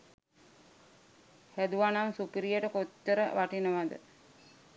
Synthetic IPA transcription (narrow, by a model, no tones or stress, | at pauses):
hæd̪uanamsupiɾijəʈəkotːəɾəʋaʈinəʋad̪ə̰